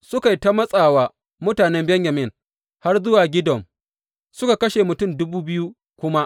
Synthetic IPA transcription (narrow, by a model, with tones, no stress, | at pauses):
sʊ˦ka˨jta˦mɐ˦sʼaː˨waː˨ | mʊ˦taː˨nɛ˦mbɛ˦ŋjɐ˨mɪ˦˨n | ha˦rzʊ˦waː˨ɡʲɪ˦dɔ˨m | sʊ˦ka˨kɐ˦ʃe˨mʊ˨tʊ˦˨mdʊ˦buː˦bɪ˦ju˦ | kʷʊ˦ma˦ʔ